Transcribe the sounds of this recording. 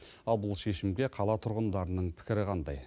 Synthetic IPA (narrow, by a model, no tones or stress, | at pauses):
ɑlˠbʊlˠʃe̞ʃɪmɡʲe̞qʰɑlˠɑt̪ʰʊɾʁənd̪ɑɾənəɴpʰɪ̥kʲɪɾɪqʰɑnd̪ɑ̰j